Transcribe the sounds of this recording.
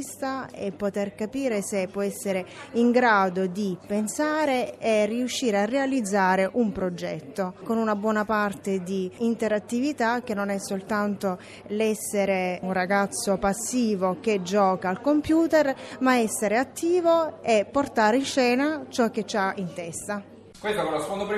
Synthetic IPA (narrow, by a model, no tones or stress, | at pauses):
st̪aepːot̪erkapiːɾesepːwɔɛsːeɾeiŋɡɾaːd̪od̪ipensaːɾeerːiuʃːiːɾearːealid̪zːaːɾeʔumpɾod͡ʒɛ̰t̪ːokonunabwɔːnapart̪ed̪iːnt̪eɾat̪ːivit̪ak̟ːenːonɛsːolt̪ant̪o | lɛsːeɾeunraɡat̪sːopasːiːvok̟ed͡ʒɔːkaːlkompjuːt̪ermaɛsːeɾeat̪ːiːvoepːort̪aːɾeinʃːɛːnat͡ʃɔk̟ːet͡ʃːaint̪ɛst̪a | kwest̪okoasond̪opɾ